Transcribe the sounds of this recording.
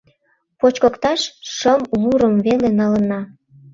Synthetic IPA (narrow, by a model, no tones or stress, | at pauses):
pot͡ɕkə̆kt̪ɑʃʃəmβuɾəmvelenɑlənɑ